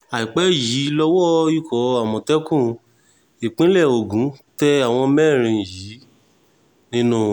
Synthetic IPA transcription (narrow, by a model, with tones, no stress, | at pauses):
a˨i˨k͡pɛ˨˦ji˨˦lɔ˦wɔ˦i˦˨kɔ˨˦a˨mɔ̃˨tɛ˦kũ˦˧ | i˨k͡pĩ˦lɛ˦˨o˨ɡũ˨˦tɛ˧a˦˨w̃ɔ̃˧mɛ˦˨ɾ̃ĩ˧˨ji˨˦ | nĩ˦nũ˦